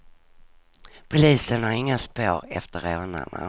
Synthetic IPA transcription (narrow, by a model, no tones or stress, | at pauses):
pʰʊliːsənhaɾɪŋːaspoːɾɛ̰ft̪əɾoːna̰na̰